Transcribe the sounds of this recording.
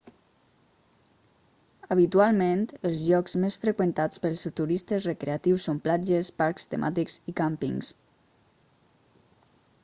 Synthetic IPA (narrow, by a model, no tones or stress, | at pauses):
əβ̞it̪ualˠmẽnt̪əlˠzʎɔkzmesfɾəkwənt̪at͡spəlˠsut̪uɾist̪əzrekɾeat̪iwsːomplad͡ʒəspaɾkst̪ə̰mʔa̰t̪iksikampḭŋs